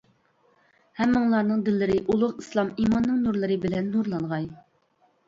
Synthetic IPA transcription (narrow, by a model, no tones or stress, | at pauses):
hɛmːɨŋlˠɑɾnɨŋd̪ɪlːɪɾɪʔulˠʊqislˠɑmimɑnːɨŋnuɾlˠɨɾɨbɪlɛnːuɾlˠɑɴʁɑj